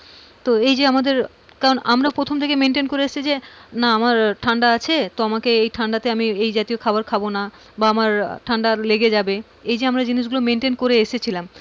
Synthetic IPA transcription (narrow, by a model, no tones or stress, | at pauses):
t̪oejd͡ʑeamad̪eɾ | kaɾonʔa̰mɾapɾot̪ʰomt̪ʰekemenʈenkoɾeeʃt͡ɕʰid͡ʑenaamaɾʈʰaɳɖaat͡ɕʰet̪ɔɔmakeejʈʰaɳɖat̪eamiejd͡ʑat̪iokʰabaɾkʰabona | baamaɾʈʰaɳɖaleɡed͡ʑabe | ejd͡ʑeamɾad͡ʑiniʃ̬ɡulomeɳʈenkoɾeeʃet͡ɕʰilam